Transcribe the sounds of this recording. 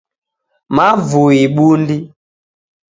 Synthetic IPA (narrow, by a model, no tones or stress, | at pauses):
mavuiɓundi